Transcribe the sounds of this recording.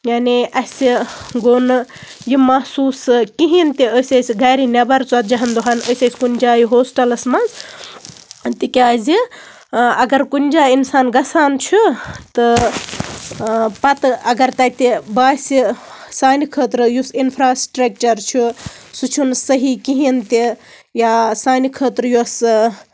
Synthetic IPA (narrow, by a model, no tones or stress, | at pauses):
jaːniʔɐsiɡoːn | jimɐɦsuːskiɦint̪iəːsʲesɡajɾinɐbɐɾt͡sɐt̪̚d͡ʒɐɦɐnd̪uɦaːnəsʲɐsʲkunʲd͡ʒaːjiɦoːsʈɐlɐsmɐz | t̪ikʲaːzi | ɐɡɐɾkunʲd͡ʒaːinsaːnɡɐsaːnt͡ʃʰut̪ɨ | pɐt̪ɐɡɐɾt̪ɐt̪ebaːsisaːnkʰəːt̪ɾɨjusinpʰɾaːsʈɾɐk̚t͡ʃɐɾt͡ʃʰusut͡ʃʰunsəɦikiɦint̪i | jasaːnikʰəːt̪ɾjos